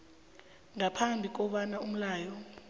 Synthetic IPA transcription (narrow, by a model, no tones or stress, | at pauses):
ŋapʰambʱik̬ʼɔɓanaum̩laːjɔ